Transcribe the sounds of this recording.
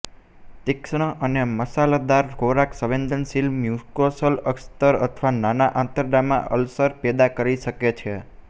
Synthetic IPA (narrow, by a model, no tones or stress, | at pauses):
t̪ɪkʃɳ̃əʔəneməsalad̪aɾɦoɾaksəʋẽnd̪ənsilmjuskosələkst̪əɾət̪ʰʋananaʔãt̪əɾɖamã̰ʔə̰lsəɾpɛd̪akəɾiʃəket͡ʃʰe